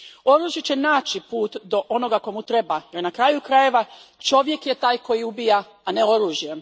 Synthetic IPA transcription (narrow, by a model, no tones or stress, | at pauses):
o̞ɾuːʒjet͡ɕenaːt͡ʃipuːt̪d̪o̞ʔo̞no̞ɡako̞mut̪ɾe̞bajeɾnakɾaːjukɾaje̞ʋat͡ʃo̞ʋje̞kjet̪aːjko̞jiubijaː | ne̞o̞ɾuːʒje